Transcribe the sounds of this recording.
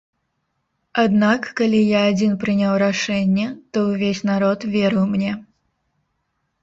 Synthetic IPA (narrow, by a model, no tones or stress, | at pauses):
ad̪nakːalʲijaːd͡zʲinpɾɨnʲawɾaʂɛnʲːɛt̪ɔwvʲesʲnaɾɔt̪vʲɛɾɨwmnʲɛ